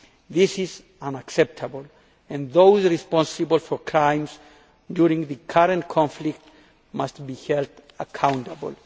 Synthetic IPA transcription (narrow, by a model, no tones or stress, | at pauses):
ðisiz | ãnaksɛp̚tʰabəl | ɛ̃nðowzɹispɔ̃nsɨbəl̩fɔɹkʰɹãj̃mz | djuɾĩŋðɨkʰaɾə̃nkʰɔ̃nflik̚t | mastbihɛldakʰãw̃ntabəl